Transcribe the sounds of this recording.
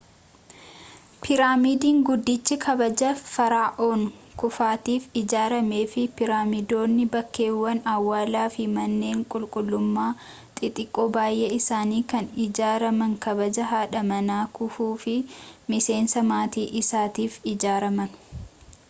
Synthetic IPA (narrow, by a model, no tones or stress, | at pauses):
pʰɪɾaːmiːd̪iːŋɡʊd̪ːɪt͡ʃːɪkʰɐbɐd͡ʒɐfɐɾaːʔoːŋkʊfaːt̪iːfɪd͡ʒaːɾɐme̞ːfɪpɪɾaːmɪd̪o̞ːnːɪbɐkːe̞ːwːɐnɐwːaːlaːfɪmɐnːe̞ːŋkʼʊlkʼʊlːʊmːaː | t̪ʼɪt̪ʼɪkʼːo̞ːbaːjʔeːɪsaːniːkɐnɪd͡ʒaːɾɐmɐŋkɐbɐd͡ʒɐɦaːᶑɐmɐnaːkʊfuːfɪmɪse̞ːnsɐmaːt̪iːʔɪsaːt̪iːfɪd͡ʒaːɾɐmɐn